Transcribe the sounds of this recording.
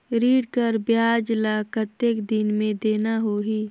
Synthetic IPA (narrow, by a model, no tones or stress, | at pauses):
ɾiːɽkəɾbjaːd͡ʒlakət̪ːekd̪ɪnmẽd̪eːnaɦoɦiː